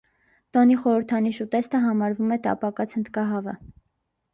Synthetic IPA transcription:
t̪ɔniχɔɾəɾt̪ʰɑniʃut̪ɛst̪əɦɑmɑɾvumɛt̪ɑ̰pɑkɑt͡sʰhənt̪ʰkɑɦɑvə̰

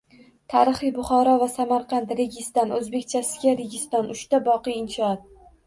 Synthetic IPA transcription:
t̪ʰaɾɨχɨjbʊχɒɾɒvasamaɾqʰɑnt̪ɾe̞ɡʲɪst̪ɒnɵzbe̞kʲt͡ʃʰasɪɡʲaɾeɡʲɪst̪ɒnʔʊʃt̪abɒqɨjɪnʃɒɒt̪̚

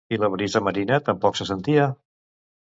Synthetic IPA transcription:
iləβɾizəməɾinət̪əmpɔksəsənt̪iə

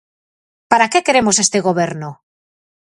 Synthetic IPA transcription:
paɾakekeɾemosest̪eɣ̞oβ̞eɾno

